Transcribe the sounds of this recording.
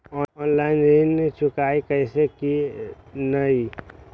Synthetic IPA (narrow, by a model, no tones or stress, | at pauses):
ɔɔnlaɪnd͡ʒinːet͡ʃʰʊkaːikəɪseki | nəi